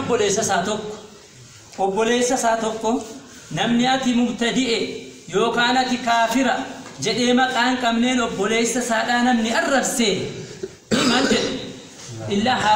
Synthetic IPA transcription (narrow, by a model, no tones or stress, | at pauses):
ɔbːɔle̞ːsːɐsaːt̪ɔkːɔ̥ | ʔɔbːɔle̞ːsːɐsaːt̪ɔkːɔ | nɐmnɪɐt̪ɪmʊɡt̪ɐd̪ɪʔɛjo̞ːkaːnɐt̪ɪkaːfɪɾɐd͡ʒɛᶑeːmɐkʼaːŋkʼɐbne̞ːnɔbːɔle̞ːsːɐsaːᶑaːnɐmnɪɐrːɐbseː | mɐnd͡ʒɛᶑɛ | ʔɪlːɐ